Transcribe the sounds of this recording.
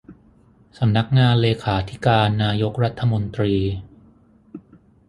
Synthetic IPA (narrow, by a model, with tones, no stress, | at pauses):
sa˩˧˦mna˦˥k̚ŋaː˧nleː˧kʰaː˩˦t̪ʰi̥˦˥kaː˧nːaː˧jo˦˥k̚ɾa˦˥t̪ʰːa˧mo˧nt̪ɾiː˧